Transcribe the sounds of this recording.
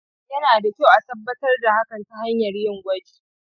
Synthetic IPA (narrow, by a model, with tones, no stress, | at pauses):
jɐ˦naː˨da˨kʲa˦˨wʔa˨tɐ˦bːɐ˦tɐ˦rda˨ha˦kɐ˨nta˦ha˦ɲjɐ˨rjɪ˦˨ŋɡʷɐ˦d͡ʒi̥ː˨